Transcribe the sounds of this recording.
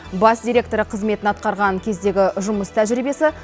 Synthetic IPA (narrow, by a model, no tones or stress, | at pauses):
bɑsd̪ʲijɾʲe̞k̚t̪o̞ɾəqʰəzme̞t̪ɪnɑt̪̚qɑɾʁɑŋkʲʰe̞zd̪e̞ɡʲɪʒʊməst̪ʰæʒɾibe̞sɪ